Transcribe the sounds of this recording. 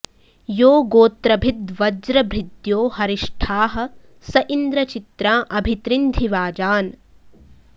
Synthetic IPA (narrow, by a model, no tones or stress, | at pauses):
joːɡoːt̪ɾɐbʱid̪ʋɐd͡ʒɾɐbɾid̪joːhɐɾiʂʈʰaːɦɐ̆ | sɐʔind̪ɾɐt͡ʃit̪ɾaːʔɐbʱit̪ɾind̪ʱiʋaːd͡ʒaːn